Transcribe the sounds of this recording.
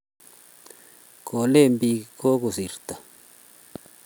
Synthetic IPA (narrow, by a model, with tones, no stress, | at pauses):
kʰo˨le˦˨mbi˧ko˦ku˨si˨ɾt̪a˨